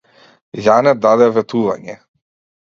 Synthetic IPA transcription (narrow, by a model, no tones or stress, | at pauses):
janɛd̪ad̪ɛvɛt̪uva̰ɲɛ̰